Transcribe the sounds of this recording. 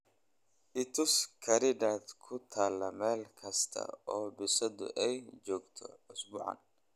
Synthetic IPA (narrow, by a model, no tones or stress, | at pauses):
ʔɪt̪ʰʊskʰɐɾɪdaːd̪kʰʊt̪ʰaːlːɐmɛːlkʰɐst̪ʰɐ̰ɔːbɪsɐd̪ʊ̰ʔɛjd͡ʒɔːɡt̪ʰɔ̰ʊsbʊːʕɑ̰n